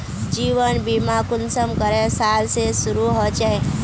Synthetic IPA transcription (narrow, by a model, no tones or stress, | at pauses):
d͡ʒiʋənbimakʊnsəmkəɾesalsesʊɾuɦɔt͡ʃaɦe